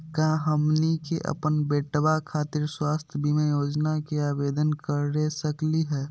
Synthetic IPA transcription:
kãɦəmnikeʔə̰pənbeːʈbakʰaːt̪ɪɾswaːst̪ʰjəbʱimẽjoːd͡ʒnakeaːbeːd̪ənkəɾːesəkliɦɛː

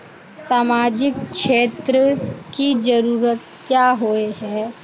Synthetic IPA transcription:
saːmaːd͡ʒɪkʃeːt̪ɾəkid͡ʒəɾuːɾət̪̚ | kjaːɦoeɦɛ̃ː

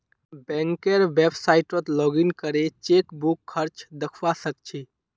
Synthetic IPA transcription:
bɛ̃ŋkeɾʋebsaiʈot̪lɔɡinkəɾet͡ʃekbukʰːəɾt͡ʃd̪əkʰwasək̚t͡ʃʰi

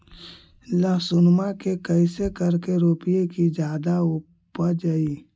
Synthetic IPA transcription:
ləɦsʊnmakekəɪsekəɾkeɾoːpijekid͡ʒjaːd̪aʊ | pəd͡ʒaiː

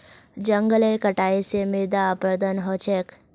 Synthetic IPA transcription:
d͡ʒəŋɡəlekəʈaisemɪɾd̪aːpəɾd̪ənɦot͡ʃʰek

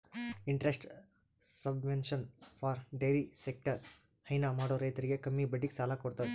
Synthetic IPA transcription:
iɳʈɾesʈ | sɐbʋenʃɐnfʰaːɾɖeːɾisek̚ʈɐɾ | hɐjnamaːɽoːɾɐjt̪ɐɾiɡe̞kɐmːibɐɖːiksaːlakoɽt̪ɐʋe

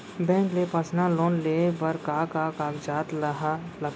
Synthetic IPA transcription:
bɛ̃ːŋklepasnaloːnleːbəɾkaːkaːkaːkd͡ʒaːt̪ləɦalə

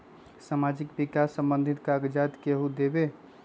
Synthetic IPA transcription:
samad͡ʒɪkbikasːə̃mbənd̪ʱit̪kaɡd͡ʒat̪keɦud̪ebe

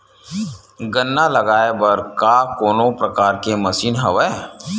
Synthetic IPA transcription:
ɡənːalɐɡaːebəɾkakoːnõpɾɐkaːɾkemɐsiːnɦɐʋɛ

